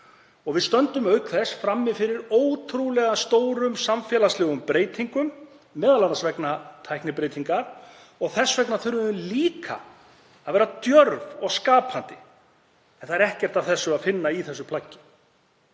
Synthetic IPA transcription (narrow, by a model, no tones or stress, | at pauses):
ɔɣvɪðst̪œnt̪ʏmœɥkθɛsfɾamːɪfɪɾɪɾoːwt̪ʰɾulɛɣast̪oːwɾʏmsamfjɛlaslɛːɣʏmpɾeːjt̪ʰiŋkʏmː | ɛːðalanasvɛknat̪ʰajknɪpɾeːjt̪ʰiŋkaɾ̥ | ɔɣθɛsvɛknaθʏɥɾvʏðʏmliːkʰa̰ | aðvɛːɾat̪jœɾvɔɣskaːpʰant̪ɪ̰ | ɛnθaɛɾɛhcɛr̥t̪avθɛsːʏaðfɪnːaiθɛsːʏpʰlacːɪ̥